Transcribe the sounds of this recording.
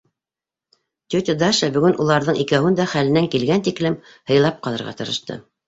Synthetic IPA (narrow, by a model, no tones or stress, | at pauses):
t̪ʲɵt̪ʲɪd̪ɑʃɑbɵ̆ɡɵnʔulˠɑɾðɤɴikæwɘnd̪æχælɘ̆næŋkilɡænt̪iklɘm | hɤ̆jlˠɑp̚qɑlˠɤ̆ɾʁɑ̰t̪ɤ̆ɾɤ̆ʃt̪ɤ̰